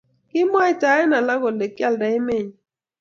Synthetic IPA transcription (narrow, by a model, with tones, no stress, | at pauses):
ki˦m˦ɔ˦e˦˨ta˨˦ɛ˦na˨la˦ɣo˨le˨kja˦˨lda˨e˦me˦˨ɲ˨